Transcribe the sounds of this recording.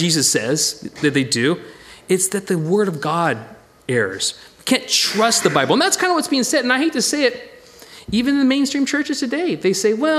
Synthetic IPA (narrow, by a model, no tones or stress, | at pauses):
izɨsɛzðɨt̪̚ðeɪdʉɨtsðɨt̪̚ðɨwɜ˞ɾʌvɡɑɾ | ɛɹə̰˞z̥ | kʰæ̃ntʰɹ̥ʌst̪̚ðəbaɪblˠə̃nðætskʰãɪ̃ndəwʌtsb̥iɪ̃ŋsɛɾɨ̃naɪɦeɪtɨseɪɨɾ̚ | ivɨ̃nn̩ðɨmẽɪ̃nstɹ̥ĩmt͡ʃʰɜ˞t͡ʃɨz̥tʰɨdeɪðeɪseɪwɛ